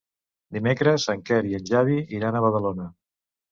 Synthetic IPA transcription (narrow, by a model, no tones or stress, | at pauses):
d̪imekɾəsəŋkɛɾiənʲʒaðiʔiɾanəβəð̞əlonə